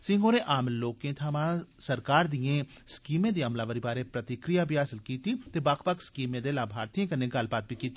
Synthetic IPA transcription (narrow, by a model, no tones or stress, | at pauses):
sɪ̃ːŋɡoːneːʔaːmloːkẽːt̪ʰaːmãːsəɾkaːɾd̪ɪjẽː | skiːmẽːd̪eːəmlaːʋəɾiːbaːɾeːpɾət̪ɪkɾijaːbʱiːɦaːsɪlkiːt̪iːt̪eːbakʰpəkʰskiːmẽːd̪eːlaːbʱaːɾt̪iãːkəneːɡəlbaːt̪̚bʱiːkiːt̪iː